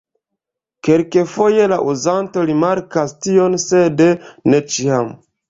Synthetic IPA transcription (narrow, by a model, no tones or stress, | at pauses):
ke̞lke̞fo̞je̞laʔuzanto̞ɾimaɾkastio̞nsedne̞t͡ʃiam